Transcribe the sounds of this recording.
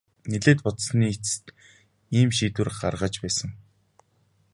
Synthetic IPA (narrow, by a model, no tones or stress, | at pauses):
neɮeːt̪̚pʊt̪sniːt͡sɘ̥̆t̪ | iːmʃiːt̪wɘ̆rɢarʁə̆t͡ɕpæːsə̆ŋ